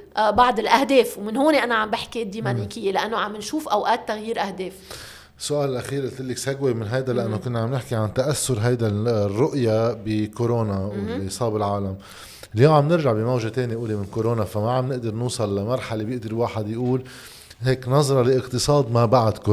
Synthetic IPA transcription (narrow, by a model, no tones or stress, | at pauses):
bɑʕd̪ɪlʔahd̪eːfwmɪnhoːneʔanaʕambɪħkid̪ːiːmaniːkɪjːelɪʔanːoʕamːɪnʃuːfʔawʔaːt̪ːaɣjiːɾʔahd̪eːf | sːʊʔaːlɪlʔaxiːɾʔɪlt̪ɪlːɪksaɡwemɪnɦajd̪alaʔanːokʊnːaʕamnɪħkiʕant̪aʔasːʊɾɦajd̪arːʊʔjabɪkoɾoːnaʔisˤɑːbɪlʕaːlam | ɪljoːmʕamnɪɾʒaʕbimawʒat̪eːnijʔuːlimɪnkoɾoːnafamaʕamnɪʔd̪ɪɾnuːsˤɑllamɑɾˤħalebjɪʔd̪ɪɾwaːħɪd̪jʔuːl | ɦeːknɑzˤɾˤɑlɪʔɪqt̪ɨsˤɑːd̪mabaʕad̪ko